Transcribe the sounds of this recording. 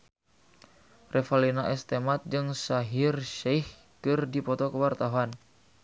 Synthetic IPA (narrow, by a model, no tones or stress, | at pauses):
rʔɛfalinaʔɛst̪ɛmat̪̚d͡ʒɨŋsaɦirʃɛjh | kɨrdipɔt̪ɔkəwart̪aɦuan